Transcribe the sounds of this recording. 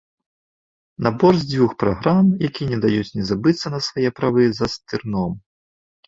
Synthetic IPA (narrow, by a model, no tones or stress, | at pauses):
nabɔrzʲd͡zʲvʲuxpɾaɣɾamjakʲinʲɛd̪ajut͡sʲnʲɛzabɨt̪sːɐnɐsvajɛpɾavɨzɐst̪ɨrnɔm